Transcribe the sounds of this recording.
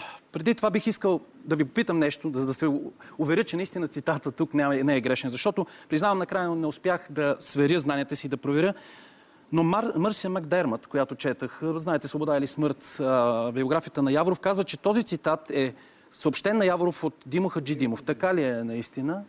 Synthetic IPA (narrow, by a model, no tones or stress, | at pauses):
pɾɛd̪it̪ovabixiskəlˠd̪ɐvipopit̪əmnɛʃt̪ozɐd̪ɐsɛʊvɛɾʲɤt͡ʃɛnɐist̪inət̪sit̪at̪ət̪uknɛnɛːɡɾɛʃnɛnzɐʃt̪ɔt̪opɾiznavəmnɐkɾajənɛʊspʲjaxd̪ɐsvɛɾʲjəznanʲiət̪əsiːd̪ɐpɾovɛɾʲjə | nomamɤɾsjəmaɡd̪ɛɾmət̪kojat̪ot͡ʃɛt̪əxznaɛt̪ɛsvobod̪ailismɤɾt̪bioɡɾafijət̪ənɐjavɾofkazvət͡ʃɛt̪ɔzit̪sit̪at̪ɛ | səopʃt̪ɛnːɐjavɾofot̪d̪imoxəd͡ʒid̪imoft̪ɐkaliɛnɐist̪inə